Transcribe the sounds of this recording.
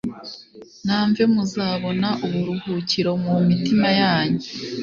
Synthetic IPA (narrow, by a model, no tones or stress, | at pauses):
naːɱve̞muzaːβo̞naʔuβuɾuhuːciɾo̞mumitimajaːɲe